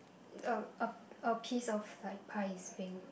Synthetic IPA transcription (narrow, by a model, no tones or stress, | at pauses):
əəəpʰisɔflaɪk̚pʰaɪsbĩŋ